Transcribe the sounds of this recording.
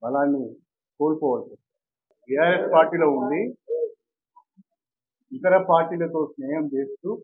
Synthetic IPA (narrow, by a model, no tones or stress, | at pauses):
ʋɐlaːnːi | koːlupɔːʋɐlsɐ | bijaːɾeʈpaːɾʈiːloːund̪i | it̪ɐɾɐpaːɾʈːiːlɐt̪o̞ːsnɛːjɐmd͡ʒe̞ːst̪u